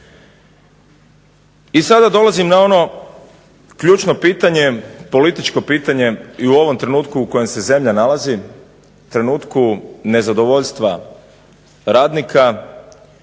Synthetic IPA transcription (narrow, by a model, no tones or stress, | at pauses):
isad̪ad̪o̞lazimnao̞no̞ | kʎuːt͡ʃno̞piːt̪aɲe̞po̞lit̪it͡ʃko̞piːt̪aɲe̞iuo̞ʋo̞mt̪ɾe̞nuːt̪kuːko̞je̞mse̞ze̞mʎanalazi | t̪ɾe̞nuːt̪kune̞zad̪o̞ʋo̞ʎst̪ʋa | ɾaːd̪nikʰa